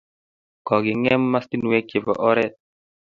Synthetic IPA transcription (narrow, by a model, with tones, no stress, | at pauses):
kɔ˨ɡɪ˨ŋɛ˦mːa˦sti˦nu˨e˦ke˨pɔ̰˨ʔɔ˦ɾɛ˦t̚